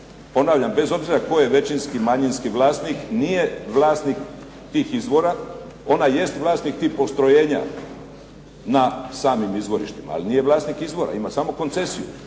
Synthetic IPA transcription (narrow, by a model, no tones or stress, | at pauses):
po̞naːʋʎambe̞zo̞bziɾako̞jeʋe̞t͡ʃinskimaɲinskiʋlaːst̪niknijeʋlaːst̪nik | t̪iːxizbo̞ɾa | o̞naje̞st̪ʋlˠaːst̪nik̚t̪ihpo̞st̪ɾo̞jeːɲa̰ | nasaːmimizʋo̞ɾḭʃt̪ima̰a̰linije̞ʋlˠaːst̪nikizbo̞ɾa̰imasamo̞ko̞nt̪se̞siju